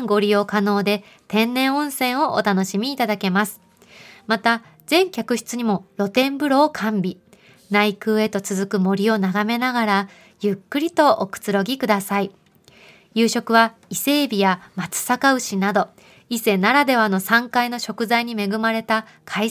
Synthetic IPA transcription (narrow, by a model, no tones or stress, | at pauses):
ɡo̞ɾʲijo̞kano̞ːd̪e̞ | t̪ẽ̞nːẽ̞ɰ̃õ̞ɰ̃sẽ̞ɰ̃o̞ʔo̰t̪ano̞ɕimʲiːt̪ad̪ake̞masɨ̥ | mat̪a | z̥ẽ̞ŋkʲakɯ̟çi̥t͡sɨɲ̟imo̞ɾo̞t̪ẽ̞mbɯ̟ɾo̞ːkʰãmbʲi | naikɯ̟ːe̞t̪o̞t͡sɨzɨkɯ̟mo̞ɾʲio̞naɡame̞naɡaɾa | jɯkːɯ̟ɾʲit̪o̞ʔokɯ̟̥t͡sɨɾo̞ɡʲikɯ̟d̪asai | jɯ̟ːɕo̞kɯ̟βa | ise̞ːbʲijamat͡sɨ̥sakaɯ̟ɕinad̪o̞ | ise̞naɾad̪e̞βano̞sãŋkaino̞ɕo̞kɯ̟zaiɲ̟ime̞ɡɯ̟maɾe̞t̪a | kʰai